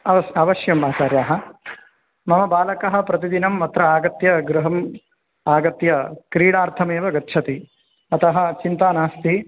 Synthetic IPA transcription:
ɐɐɐʋɐʃjɐmbaːt͡ʃaːɾjaːɦɐ̆ | mɐmɐbaːlɐkɐɦɐ̆pɾɐt̪id̪inɐmːɐt̪ɾɐaːɡɐt̪jɐɡɾuɦɐm | aːɡɐt̪jɐkɾiːɽaːɾt̪ʰɐmeːʋɐɡɐtːt͡ʃʰɐt̪i | ɐt̪ɐɦɐ̆t͡ʃint̪aːnaːst̪ʰi

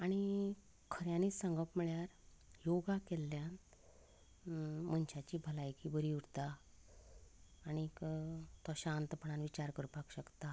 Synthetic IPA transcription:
aɽ̃i | kʰəɾjãniːt͡ssəŋɡəpmiɭjaɾjoɡakelːjan | m̤əɳɕat͡ɕiːbʱəlajkiːbəɾiuɽt̪a | ɽ̃ikt̪ɔɕant̪əpəɳanʋit͡ɕaɾkəɾupakɕəkt̪a

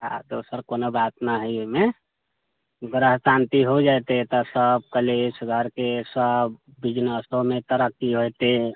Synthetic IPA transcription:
ɦa̰d̪osəɾkonobat̪naɦəjome | ɡɾəɦsant̪iɦod͡ʒajt̪et̪ɔsəb̚kəlesɡʱəɾkesəbː | id͡ʒnəsomet̪əɾəkːiɦojt̪e

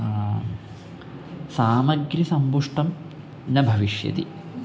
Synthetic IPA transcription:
saːmɐɡɾisɐmbuʂʈɐm | nɐbʱɐʋiʂjɐ̰d̪ḭ

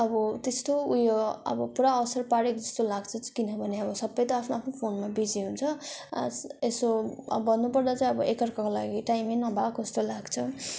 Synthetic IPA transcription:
ʌbʌt̪est̪oujoʌ̰bʌpuɾaʌsʌrpaɽekd͡zʌst̪olaɡt͡sʰʌt͡skinʌbʱʌneʌbʌsʌbːʌjt̪ʌapʰnoapʰnopʰonmabid͡ziɦunt͡sʰʌsesobʌnːupʌrd̪at͡saĩʌbʌʔekʌrkakola̰ɡiʈajmenʌbakʌst̪olaɡt͡sʰʌ

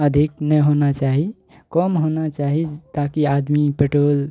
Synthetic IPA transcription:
əd̪ʱiknɛɦonat͡ʃaɦi | kɔmɦonat͡ʃaɦit̪akiad̪mipeʈoːl

